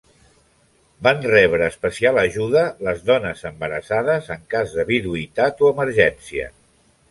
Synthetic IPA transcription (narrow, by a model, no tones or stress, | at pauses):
banrɛβɾəːspəsialəʒuðələzðɔnəzəmbəɾəsaðəzəŋkazðəβiðuit̪at̪oəməɾʒɛnsiə̰